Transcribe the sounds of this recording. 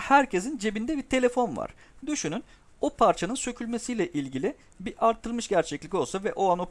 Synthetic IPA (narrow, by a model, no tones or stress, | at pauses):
hæɾcʰe̞zind͡ʒe̞bind̪ɛbiɾt̪ʰe̞lʲe̞fo̞nva̰ɾ̥ | d̪yʃynyn | opʰaɾt͡ʃʰanɯnsø̞cʰylʲmesijlʲɛʔilʲɟilʲi | biɾʔaɾt̪ʰːɯlˠmɯʃɟæɾt͡ʃʰɛclʲicʲo̞lˠsavɛʔoano̞